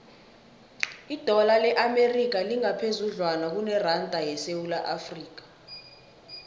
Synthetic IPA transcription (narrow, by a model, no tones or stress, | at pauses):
id̥ʱɔlalɛʔamerik̬aliŋapʰezuɮwanak̬unɛrantʼajɛsewulaʔafriːk̬ḁ